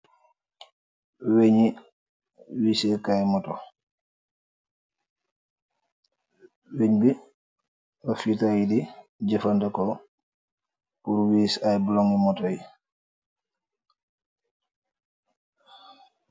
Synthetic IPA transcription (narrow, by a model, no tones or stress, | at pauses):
weɲi | wisɛkajmɔtɔ | weɲbi | bafitajidid͡ʒɛfandɛkɔ | puɾwiːsajbulɔŋimɔtɔji